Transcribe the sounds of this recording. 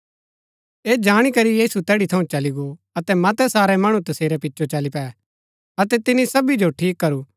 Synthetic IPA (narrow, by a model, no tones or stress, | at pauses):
eːd͡ʒaːɽ̃ikɐɾijiːsut̪ɛːɽit̪ʰɐũt͡ʃɐliɡo | ɐt̪ɛmɐt̪ɛsaːɾɛmɐɽ̃ũt̪ɐseːɾɛpɪtːʃʰot͡ʃɐlipɛː | ɐt̪ɛt̪ɪnisɐbid͡ʒoʈʰiːkːɐɾuː